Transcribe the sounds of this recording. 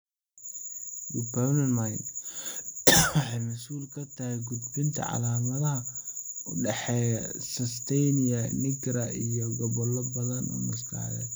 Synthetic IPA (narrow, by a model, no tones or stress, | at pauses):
ɡʊbɐrnɐnmajn | wɑħɑjmɐsuːlkʰɐt̪ʰɐhɛɡud̪bɪnt̪ʰɐ̰ʕɑ̰laːmɐðɐɦɐ | ɖɛħɛːjɐsɐst̪ʰɛjniɐnɪɡɾɐʔijɔɡɔβɔlːɔbɐðɐnʔɔ̰mɪst̪ʰa̰ːðɛ̰